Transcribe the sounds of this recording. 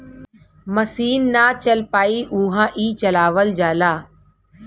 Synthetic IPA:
məsiːnːaːt͡ʃəlpaːiːʔũːɦãːʔiːt͡ʃəlaːʋəld͡ʒaːlaː

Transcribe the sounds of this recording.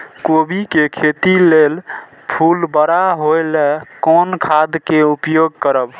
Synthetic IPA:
kobikekʰet̪ilel | pʰulbəɾaɦojlekɔnkʰad̪keupjoɡkəɾəb

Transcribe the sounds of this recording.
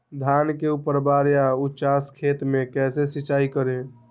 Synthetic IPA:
d̪ʱankeupəɾbaɾjaut͡ʃaskʰet̪mekɛsesit͡ʃaikəɾe

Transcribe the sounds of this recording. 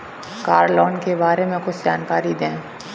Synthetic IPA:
kaːɾlɔːnkebaːɾemẽxʊt͡ʃʰd͡ʒaːnkaːɾid̪ẽː

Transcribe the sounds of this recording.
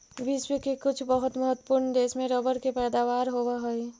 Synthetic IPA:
ʋɪswəkekʊt͡ʃʰbəɦʊt̪məɦət̪wə̥pʊɾnd̪eːsmẽɾəbəɾkepɛːd̪aːʋaːɾɦowaɦəi

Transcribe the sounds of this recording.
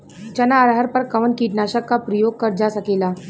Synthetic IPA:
t͡ʃɐnaːɾɦəɾpəɾkɐʋənkiʈnaɕəkːapɾəjoːɡ̚kɐɾd͡ʒasəkeːlaː

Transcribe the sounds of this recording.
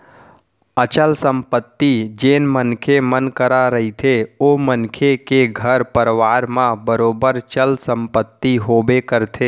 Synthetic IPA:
ət͡ʃəlsə̃mpət̪ːid͡ʒeːnmənkʰemənkəɾaɾəɦit̪ʰeoːmənkʰekeɡʱəɾpəɾʋaːɾmãbəɾoːbəɾt͡ʃəlsə̃mpət̪ːiɦoːbekəɾt̪ʰeː

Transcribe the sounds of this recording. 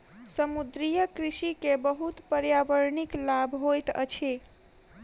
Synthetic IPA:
səmud̪ɾijəkɾisikebəɦut̪pəɾjaʋəɾniklabʱɦojt̪ə̰t͡ʃʰi

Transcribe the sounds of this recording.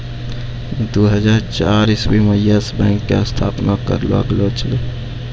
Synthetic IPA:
d̪uɦəd͡ʒaːɾt͡ʃaɾiswiməjasbɛ̃ːŋkːeəst̪ʰa̰ːpnakə̰ɾla̰ɡlot͡ʃʰəle

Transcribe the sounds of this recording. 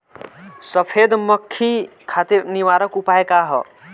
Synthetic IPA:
səpʰed̪məkʰːikʰat̪iɾniʋaɾəkupaekaɦɔ̰

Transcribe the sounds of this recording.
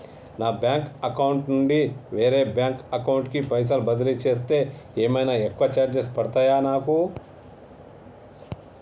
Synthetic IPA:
naːbjaːŋkɐkɐwuɳʈnuɳɖiʋe̞ːɾe̞ːbjaːŋkɐkɐwuɳʈkipɐjs̬aːlbɐd̪ɐɾit͡ʃe̞ːst̪e̞ːeːmɐjnaːekːʋɐt͡ʃaːɾd͡ʒɐspɐɽt̪ajaːnaːku

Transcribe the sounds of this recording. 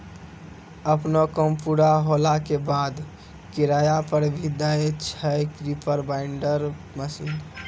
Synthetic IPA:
əpnokəmpuɽaɦolakebad̪ | kiɾajapəɾbʱid̪aet͡ʃʰəjkɾipʰəɾbaɪɳɖəɾ | məsin

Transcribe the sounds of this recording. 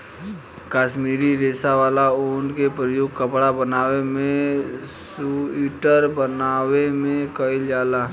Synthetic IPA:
kaːʃmiːɾiɾeːsaʋaːlaoːnkepɾəjoːɡ̚kəpɽabənaːʋemẽ | suiːʈəɾbənaːʋemẽkəiljaːlaː

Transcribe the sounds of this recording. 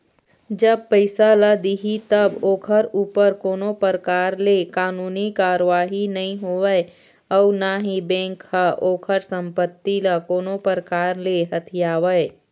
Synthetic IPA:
d͡ʒəb̚pəɪsaləd̪iɦit̪əboːkʰəɾuːpəɾkoːnopəɾəkaːɾlekaːnuːnikaːɾəʋaːɦinɐɦĩɦoːʋəe | ɔʊnaɦibɛ̃ːŋkhaʔoːkʰəɾsə̃mpət̪ːiləkoːnopəɾkaːɾleɦɐt̪ʰijaːʋəe

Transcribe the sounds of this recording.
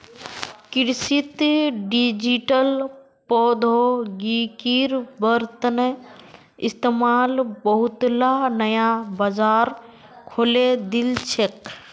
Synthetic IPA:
kiɾsit̪ɖid͡ʒiʈəl | pɔd̪ʱoɡikiɾbəɾt̪ənə | ist̪emaːlbəɦut̪lanəjabad͡ʒaɾ | kʰoːled̪ilt͡ʃʰek

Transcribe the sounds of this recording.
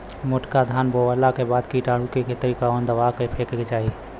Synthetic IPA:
moʈkad̪ʱanboʋalakebad̪kiʈaɽukekʰet̪əɾikaənd̪əʋakepʰekeket͡ʃaɦi

